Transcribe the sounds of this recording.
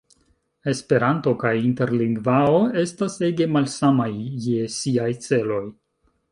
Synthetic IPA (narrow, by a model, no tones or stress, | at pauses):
e̞spe̞ɾanto̞kajinte̞ɾliŋɡvaoe̞stase̞ɡe̞malsamajːe̞siajt͡se̞lo̞j